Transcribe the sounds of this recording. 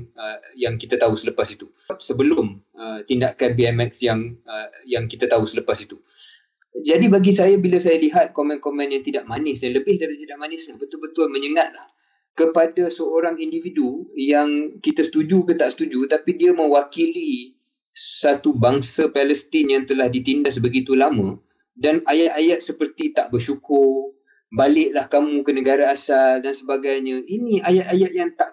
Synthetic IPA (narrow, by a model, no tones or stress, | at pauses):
jaŋkit̪at̪aɦusələpasit̪u | p̚səbəlʊm | ət̪indaʔkanbiɛmɛk̚sjaŋəjaŋkit̪at̪aɦusələpasit̪u | d͡ʒadibaɡisajabiləsajaliɦat̪̚komɛ̃nkomɛ̃njaŋt̪idaʔmanɪsjanləbɪhdaɾit̪idaʔmanɪsnaʔbət̪ʊlbət̪ʊlmə̃ɲəŋat̪̚lah | kəpadasəoɾaŋindividujaŋkit̪asə̥t̪ud͡ʒukət̪aʔsə̥t̪ud͡ʒut̪apidiamə̃wakili | sat̪ubaŋsapɛləst̪ɪnjaŋt̪əlahdit̪indas̬bəɡit̪ulamə̃ | danajat̪̚ajat̪̚səpərt̪it̪aʔbərʃukʊr | balɪʔlahkamũkənə̃ɡaɾaːsaldansəbaɡajɲə̃inĩajat̪̚ajat̪̚jaŋt̪aʔ